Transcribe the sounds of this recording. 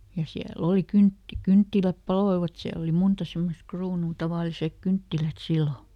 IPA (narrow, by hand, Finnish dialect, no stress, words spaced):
jɑ siæl oˑli kynt kyntːilæp pɑloiʋɑt siæl oli muntɑ semːost̆ kruːnuː tɑʋɑˑlisek kyntːilæt silːo